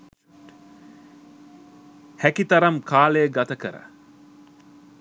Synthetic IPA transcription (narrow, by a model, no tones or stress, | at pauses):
hækit̪ɐɾɐmkʰaːlejəɡat̪əkəɾə̰